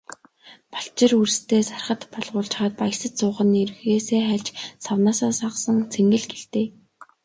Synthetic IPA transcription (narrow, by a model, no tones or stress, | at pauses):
pḁɬt͡ɕɪ̆rurst̪ʰeːsarχə̆t̪pɔɮʁʊːɮt͡ɕχaːt̪̚pajsə̆t͡ɕt͡sʊːʁə̆nirxeːseːχæɮt͡ɕsawnaːsaːsaqsə̆ŋt͡sʰeŋɡɘ̆ɮɡeɮt̪eː